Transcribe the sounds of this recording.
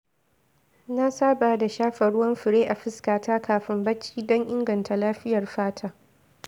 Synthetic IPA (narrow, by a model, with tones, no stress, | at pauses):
na˦saː˦baː˨da˨ʃaː˦ɸɐ˨ɽʊ˦wɐ˦mɸɪ˨ɾeː˦ʔa˨ɸɪ˦skaː˨taː˦kaː˨ɸɪ˦mbɐ˦t͡ʃːiː˦dɔ˦ŋʔɪ˦ŋɡɐ˨nta˨laː˦ɸɪ˦jɐ˨rɸaː˦tʰaː˦